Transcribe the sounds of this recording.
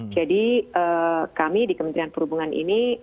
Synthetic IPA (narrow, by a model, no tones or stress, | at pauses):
d͡ʒadiʔəːkamidikəmənt̪ɾianpəɾubuŋanʔḭni